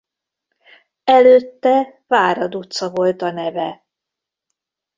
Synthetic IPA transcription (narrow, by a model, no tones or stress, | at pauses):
ɛløt̪ːɛvaːɾɒd̪ut̪sɒvo̞lt̪ɒnɛvɛ